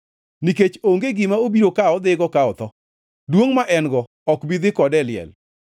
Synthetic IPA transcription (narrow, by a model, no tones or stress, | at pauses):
niket͡ʃoŋɡeɡɪmaobiɾokaɔd̪ɪɡɔkaɔt̪ɔ | dwoŋmaʔɛnɡɔ | ɔkbid̪ɪkɔdɛlɪɛ̰l